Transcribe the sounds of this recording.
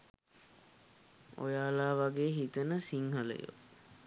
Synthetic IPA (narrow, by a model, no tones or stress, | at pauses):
o̰jaːlaːʋaɡeːɦit̪ənəsiŋɦələ̰jo̰